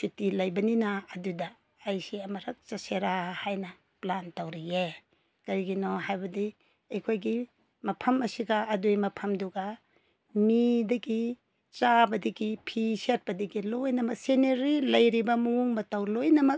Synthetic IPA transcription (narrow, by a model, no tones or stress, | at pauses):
sitilɐjbɐninɐːdudɐː | jsiɐmɐɾɐk̚t͡ʃɐseɾahajnɐ | plantɐwɾije | kɐɾiɡinɔɦajbɐdi | ɐjkʰojɡi | mɐpʰɐmɐsiɡɐːdujmɐpʰɐmduɡɐ | midɐɡi | t͡ʃabɐdiɡipʰiset̚pɐdiɡilojnɐmɐk̚seneɾilɐjɾibɐmuuŋbɐtɐwlojnɐmɐk̚